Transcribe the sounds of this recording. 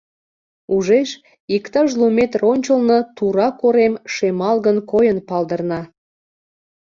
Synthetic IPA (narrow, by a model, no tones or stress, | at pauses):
uʒeʃ | ikt̪ɑʒlumet̪ronʲt͡ɕəlnət̪uɾɑkoɾemʃemɑlɣənkojənpɑld̪ərnɑ